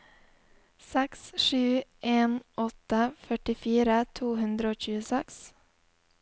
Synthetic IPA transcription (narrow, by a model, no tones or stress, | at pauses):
sɛksʃʉːʔeːnʔɔt̪əfœʈɪfiːɾət̪ʰuːhʉnd̪ɾəoːc͡çʉːəsɛks